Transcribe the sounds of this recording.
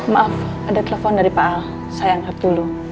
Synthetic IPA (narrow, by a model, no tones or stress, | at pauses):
maʔaf | adat̪elefɔndaɾipaʔa | sajaŋhat̪ulu